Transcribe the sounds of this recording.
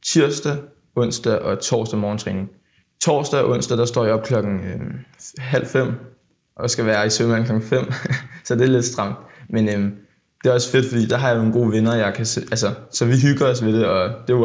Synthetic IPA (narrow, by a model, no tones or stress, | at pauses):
t͡sʰiɐ̰sd̥æ | ɔ̽n̰sd̥æʔɒ̽t͡sʰɒ̰ːsd̥æmɒːn̩t͡sʰʁɛ̰ːne̝ŋ | t͡sʰɒ̰ːsd̥æʔɔ̽n̰sd̥æd̥ɑ̈sd̥ɒ̰ːjɒ̽b̥̚kʰlɒ̽ɡ̥n̩ømɦæl̰fem̰ | ʔɒ̽sɡ̥æʋæːɐisømænŋkʰlɒ̽ɡŋ̩fem̰sɒ̽d̥e̝æɐle̝d̥sd̥ʁɑ̈m̰d̥menøm | d̥e̝æɒ̽sə̥fe̝d̥fɒ̽d̥ḭːd̥ɑ̈ɦɑ̈jɑnonɡ̥o̝̰ːʋe̝nɐjɑ̈ɪkʰæseʔæls̬ɐsɒ̽ʋiɦyɡ̥ɐɒ̽s̬ʋe̝ɾ̥e̝ɒ̽d̥e̝